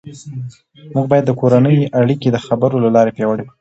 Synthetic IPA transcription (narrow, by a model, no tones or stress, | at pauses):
muɡbɑjad̪ːəkoɾanəjʔaɽiked̪əxabəɾolalɑɾepjɑwəɽekɽu